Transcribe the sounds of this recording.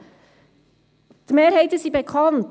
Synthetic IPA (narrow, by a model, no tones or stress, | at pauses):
d̪̥imeːɾhɛɪtəsiːbɛkʰɑnt